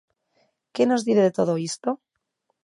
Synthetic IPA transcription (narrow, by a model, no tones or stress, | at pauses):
keno̞zðiθe̞ðe̞t̪o̞ð̞oist̪o